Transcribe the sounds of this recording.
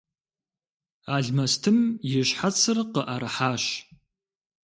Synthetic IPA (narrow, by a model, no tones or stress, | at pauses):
aːɮmɐstʰɨmjɪɕħat͡sʰɨrqəʔɐɾɨħaːɕ